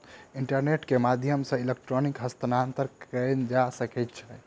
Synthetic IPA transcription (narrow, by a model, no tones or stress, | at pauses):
iɳʈəɾneʈkemad̪ʱjəmsə̃ilek̚ʈɾonikɦəst̪ənant̪əɾkənd͡ʒasəkɛjt̪̚t͡ʃʰɛ